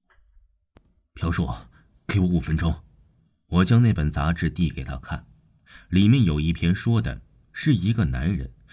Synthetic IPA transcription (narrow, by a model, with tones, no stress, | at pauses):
pʰjɑ˧˥ʊʂwɔ̰˥˩ | ke˧˥ɪwɔ˧˥u˨˩fə˧˥nʈ͡ʂʊ˥ŋ | wɔ˨˩t͡ɕjɑ˥ŋne˥˩ɪpə˨˩nt͡sa̰˧˥ʈ͡ʂɻ̩˥˧t̪i˥˩ke˨˩ɪt̪ʰa̰˥kʰa̰˥˩n | li˨˩mjɛ˥˩njo˨˩ʊi˥˩pʰjɛ˥nʂwɔ˥d̪ə̰˨˩ | ʂɻ̩˥˩i˧˥ɡə˧na˧˥nɻə̰˧˥n